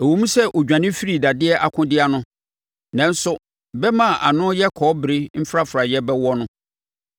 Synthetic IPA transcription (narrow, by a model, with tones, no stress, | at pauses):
ɛ˨wo˨mũ˦sɛ˦ʔo˨d͡ʑᶣã˨nɪ̃˦fi˦ɾi˨da˨dɪ˦ɛ˦ʔa˨kʰʊ̃˦dɪ˦a˨nʊ̃˦ | nã˦n̩˦sʊ˦ | bɛ˦mã˦˨ʔa˨nʊ̃˦jɛ˦kʰɔː˨˦bɾɪ˦m̩˦fɾa˦fɾa˨jɛ˦bɛ˦wɔ˦nʊ̃˦